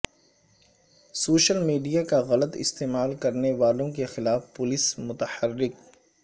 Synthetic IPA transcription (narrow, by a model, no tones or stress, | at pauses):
soːʃəlmiːɖijakaɣɐlət̪ɪ̰st̪eːmaːlkɐɾneʋaːlõkexɪlaːfpʊlɪsmʊt̪əhərːɪk̚